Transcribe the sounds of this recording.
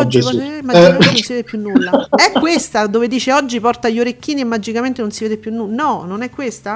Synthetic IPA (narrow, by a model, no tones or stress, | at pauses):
ɔd͡ʒipmad͡ʒɛmnonsived̪epjunːulːaɛkːwest̪ad̪oːved̪iːt͡ʃeɔd͡ʒːipɔrt̪aʎːoɾekːiːniemːad͡ʒikament̪enonsiveːd̪epjunːunɔnonɛkːwest̪a